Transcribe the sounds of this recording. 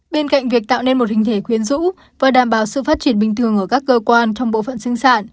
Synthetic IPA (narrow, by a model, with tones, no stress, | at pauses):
ɓe˧nka̰˧˨jŋ̟vi˨˩ək̚t̪a̰ː˧˨wne˧nmo˨˩t̚hï˨˩ŋ̟t̪ʰe˧˩xwi˨˦ənzṵ˧˥ | vaː˨˩ɗaː˨˩mɓaː˨˩wsɨ̰˧˨faː˦˥t̚t͡ɕi˧˩ənɓï˨˩ŋ̟t̪ʰɨ˨˩əŋʔəː˧˩kaː˦˥k̚ːəː˧kwaː˧nt͡ɕɔ˧wŋ͡mɓo̰˧˨fə̰˧˨nsɨ˧ŋsaː˧˨n